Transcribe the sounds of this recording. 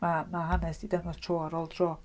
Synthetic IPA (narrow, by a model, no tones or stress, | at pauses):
mamaɦanɛsd̥idəŋɔstʰroːaɾɔlˠdrɔː